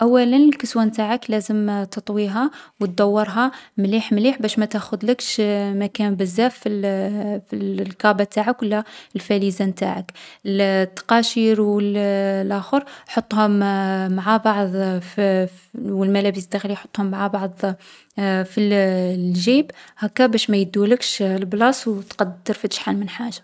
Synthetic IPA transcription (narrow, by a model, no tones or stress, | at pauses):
ʔæwːælənəlkəswænt̪aʕəklæzəmt̪ət̪ˤwiɦæwət̪̚d̪ɑwːəɾˤɦɑmliħmliħbæʃmæt̪æxʊd̪ləkʃmækænbəzːæfi | fillkɑbat̪aʕəkwəlːælfælizæmt̪a̰ʕəklt̪ːɑ̥qɑʃiɾwəllʔæxəɾħot̪ˤːhʊmːaʕabɑʕðˤ | wəlmælæbəsd̪æxlijħo̥t̪ˤːhʊmːaʕabɑʕd̪ˤ | fillʒibhækːæbæʃmæjəd̪ːuləkʃlblɑsˤwt̪qɑd̪ːəɾfəʃħalmənħaʒḁ